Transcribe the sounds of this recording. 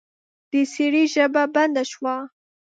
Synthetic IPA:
d̪̥əseɽiʒəbaband̪aʃwa

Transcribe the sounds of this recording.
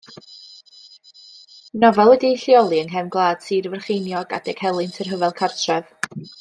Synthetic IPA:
nɔvɛlˠwɛdiɬjɔlˠiəŋɦɛmɡlˠaːd̥siːrvɛrχejnjɔɡa̰d̥ɛɡ̥hɛlˠɨntʰərɦəvɛlˠkʰartʰrɛv

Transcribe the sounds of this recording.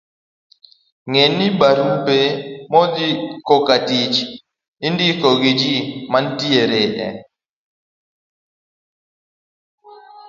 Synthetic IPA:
ŋenibaɾumpemɔd͡ʒikɔkatit͡ʃ | indikɔɡɪd͡ʒimantieɾeʔɛ̰

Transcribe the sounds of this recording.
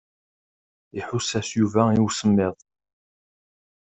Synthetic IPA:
iħʊsæsjuvæiwsəmːɪðˤ

